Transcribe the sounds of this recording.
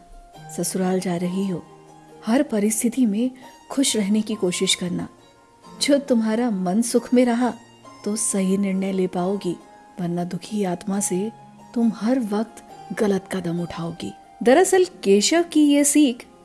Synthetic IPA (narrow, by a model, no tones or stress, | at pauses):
sɐsʊɾaːld͡ʒaːɾɐɦiɦoː | hɐɾpɐɾɪst̪ʰɪt̪imẽ | kʰʊʃɾɛɦnekikoːʃɪʃkɐɾna̰ː | d͡ʒot̪ʊmɦaːɾamɐnsʊkʰmẽɾɐɦa | t̪osɐɦinɪɾnəlepaːoːɡiː | ʋɐɾnad̪ʊkʰiaːt̪mase | t̪ʊmhɐɾʋɐq̚t̪ɣɐlət̪kad̪ɐmʊʈʰaːoːɡḭː | d̪ɐɾɐsəlkeːʃəʋkijesiːkʰ